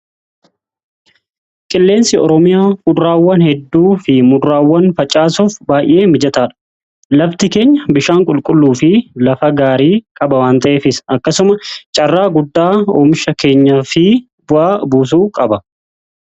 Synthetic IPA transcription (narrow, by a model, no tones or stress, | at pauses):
kʼɪlːe̞ːnsɪɔɾɔmɪjaːmʊaːwːɐnhɛd̪ːuːfɪmʊːaːwːɐnfɐt͡ʃʼaːsuːfbaːjʔe̞ːmɪd͡ʒɐt̪aːᶑɐ̥ | lɐbt̪ɪke̞ːɲːɐbɪʃaːŋkʼʊlkʼʊlːuːfɪlɐfɐɡaːɾiːkʼɐbɐwaːnt̪ɐʔeːfɪsɐkːɐsʊmɐt͡ʃʼɐrːaːɡʊd̪ːaːɔːmɪʃɐke̞ːɲːɐfɪ | bʊʔaːbuːs̬uːkʼɐbɐ